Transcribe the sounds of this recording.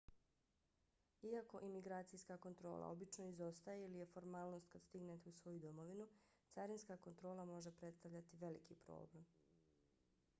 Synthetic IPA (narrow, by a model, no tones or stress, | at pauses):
iako̞ʔimiɡɾaːt̪sijskako̞nt̪ɾo̞̰ːlˠa̰o̞bit͡ʃno̞izo̞st̪ajeilije̞fo̞ɾmaːlˠno̞st̪̚kad̪st̪iɡnet̪eusʋo̞jud̪o̞mo̞ʋinu | t̪saɾinskako̞nt̪ɾo̞ːlamo̞ʒepɾet̪st̪aʋʎat̪iʋe̞likipɾo̰ːble̞m